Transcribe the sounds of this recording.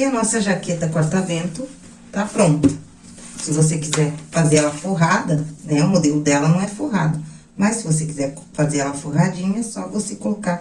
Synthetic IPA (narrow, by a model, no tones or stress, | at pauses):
ɪɐnɔsɐʒaket̪ɐkwaɾt̪avẽnt̪ʊ | t̪apɾõnt̪ɐ̥ | sɪvosekizɛɾfazeɾɛlɐfoɦad̪ɐnɛʊmod̪elʊd̪ɛlɐnɐ̃w̃ɛfoɦad̪ʊ | mɐsːɪvos̬ekizɛɾ | fazeɾɛlɐfoɦad͡ʒĩɲɐsɔvosekolokaɾ